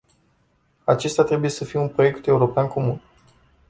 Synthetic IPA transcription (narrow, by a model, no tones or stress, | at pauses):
at͡ʃe̞st̪jat̪ɾe̞buje̞səfijeunpɾo̞je̞kt̪e̞uɾo̞peankʰo̞mun